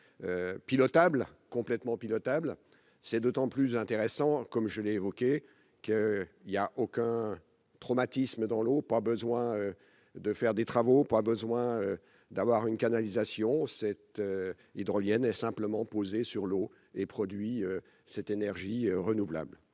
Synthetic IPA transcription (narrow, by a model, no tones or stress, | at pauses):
øpilɔt̪ablkɔ̃plɛt̪mɑ̃pilɔt̪abl | sɛd̪ot̪ɑ̃plyzɛ̃t̪eʁɛsɑ̃kɔmʒəlɛːvɔkʲe | kəiljaʔokʲɛ̃ | t̪χɔmat̪isməd̪ɑ̃lopabəzwɛ̃ø | d̪əfɛʁd̪et̪χavopabəzwɛ̃ø | d̪avwaʁynkanalizasjɔ̃sɛt̪ø | id̪ʁɔljɛnɛsɛ̃pləmɑ̃pozesyʁlo | epχɔd̪ɥiø | sɛt̪enɛʁʒiøʁənuvla̰bl